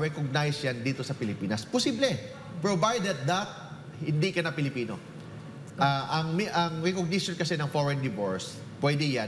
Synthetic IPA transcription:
ɹɛkoɡ̚najsjand̪iːt̪o̞sɐpɪlɪpiːnɐsposiblɛ | pɹovajd̪ɛt̪̚d̪ɐt̪̚ | hɪnd̪ikɐnɐpɪlɪpiːno̰ | aʔɐŋmʔɐŋɹɛkoɡ̚nɪʃjonkɐsɛnɐŋfoɹɛnd̪ɪvoɹs | pwɛd̪ɪja

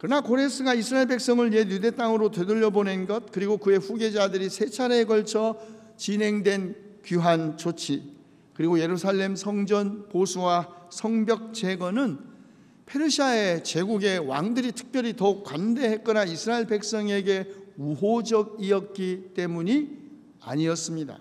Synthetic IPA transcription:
kɯɾʌnakoɾe̞s͈ʰɯɡaisʰɯɾaiɭbe̞k̚s͈ʌŋɯɭjejude̞t͈aŋɯɾotwe̞dɯʎːʌbonenɡʌt̚kɯɾiɡokɯe̞ɸuɡe̞d͡ʑadɯɾisʰe̞t͡ɕʰaɾeːɡʌɭt͡ɕʰʌ | t͡ɕinɦe̞ŋdwe̞nkjuɦant͡ɕot͡ɕʰi | kɯɾiɡoje̞ɾusʰaɭːe̞msʰʌŋd͡ʑʌnposʰuwasʰʌŋbjʌk̚t͡ɕ͈e̞ɡʌnɯn | pʰe̞ɾɯɕʰiae̞t͡ɕe̞ɡuɡe̞wa̰ŋdɯɾitʰɯ̥k̚p͈jʌɾitʌuk͈wande̞ɦe̞k͈ʌnaisʰɯɾaeɭpe̞k̚s͈ʌŋe̞ɡe̞uɦod͡ʑʌɡ̚iʌk̚k͈it͈e̞muɲi | a̰ɲiʌs͈ɯmɲida̰

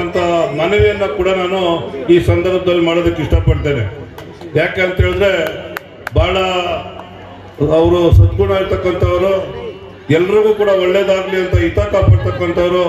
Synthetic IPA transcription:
ɐnt̪ʰɐmɐnɛʋjɐnːɐkuːɽɐnaːnuiːsɐnd̪ɐɾbʱɐd̪ɐlːimaːɽod̪ɐkːiʂʈɐpɐɽt̪eːne | jaːkeɐnt̪ɦeːɭid̪ɾe̞ | bʱaːɭɐ | ɐʋɐɾusɐt̪kuːɳɐiɾt̪ɐkːɐnt̪ʰɐʋɐɾu | ɛlːɐɾiɡuːkuːɽɐɔɭːeːd̪aːɡliɐnt̪ɐit̪aːkaːpaːɽt̪ɐkːɐnt̪ɐʋɐɾu

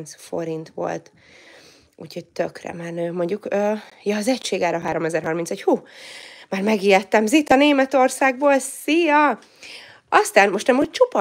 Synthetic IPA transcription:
nsfo̞̰ɾint̪ʋo̞̰lt̪ | ṵcʰho̞ɟ̚t̪økrɛ̰manøːmo̞ɲɟukøːjɒːzɛcʃeːɡaːɾɒɦaːɾo̞mɛzɛrɦɒrmintsɛchuːmaːrmɛɡiːɛt̪ːɛmzit̪ɒneːmɛt̪o̞rsaːɡ̚boːlsijɒ | ɒst̪aːnmo̞ʃt̪ɛmot͡ʃopɒ

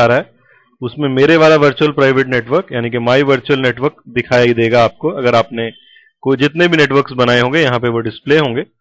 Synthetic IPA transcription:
aːɾaɦɛː | ʊsmẽmeːɾeʋaːlaʋɐɾt͡ʃuəlpɾaːɪʋeːʈneːʈʋəɾkjaːnikemaːjiʋɐɾt͡ʃuəlneːʈʋəɾkd̪ɪkʰaːjaid̪eːɡaːp̚koɐɡəɾaːpne | kod͡ʒɪt̪nebʱineːʈʋəɾksbɐnaːeɦõːŋɡejɐɦãpeʋoɖɪspleːɦõːŋɡeː

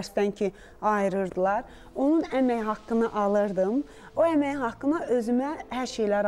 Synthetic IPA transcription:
ɾst̪æncʰi | ɑjɾɯɾd̪ɯlˠɑɾ | o̞nunæmæjhɑkːɯnɯʔɑlˠɯɾd̪ɯm | oæmæjhɑkːɯnɑʔø̞zymæhæɾʃe̞jlæɾ

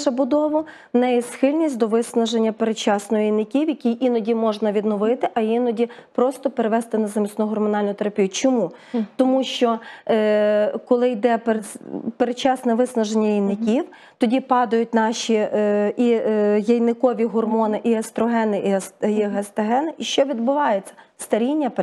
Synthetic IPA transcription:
ʃɐbʊd̪ɔʋʊ | nɛjɛsxɪlʲnʲisʲtʲd̪ɔʋɪsnɐʒenʲːɐpeɾet͡ʃɑsnɔjɔjejnːɪkʲiwjɐkʲijʔinɔdʲimɔʒnɐʋʲid̪nɔʋɪt̪ɪʔɐinɔdʲipɾɔst̪ɔpeɾeʋɛst̪ɪnɐzɐmʲisnuɦɔrmɔnɑlʲnʊt̪eɾɐpʲijʊt͡ʃɔmu | t̪ɔmuʃt͡ʃɔ | kɔlˠɪjd̪ɛpeɾpeɾet͡ʃɑsnɛʋɪsnɐʒenʲːɐjijnːɪkʲiw | t̪ɔdʲipɑd̪ɐjʊt̚ʲnɑʃiijɐjnɪkɔʋʲiɦɔrmɔnɪʔiɐst̪ɾɔɦɛnɪʔisiɦɐst̪ɐɦɛnɪʔiʃt͡ʃɔʋʲid̪bʊʋɑjet͡sʲːɐ̥st̪ɐɾʲinʲːɐp

